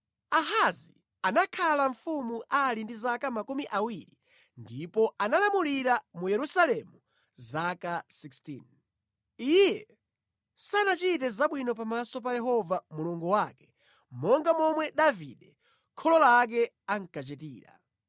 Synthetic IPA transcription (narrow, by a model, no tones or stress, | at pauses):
aɦazi | anakʰalaɱfumuʔalindizakamakumiʔawiɾi | ndipɔʔanalamuliɾamujɛɾusalɛmu | zakasikstḭn | ijɛ | sanat͡ʃit̬ɛzaɓwinɔp̬amasɔp̬ajɛɦɔvamuluŋɡuwakɛ̥ | mɔŋɡamɔmwɛɗaviɗɛ | kʰɔlɔlak̬ɛ | aŋ̩kat͡ʃɛtḭːɾa̰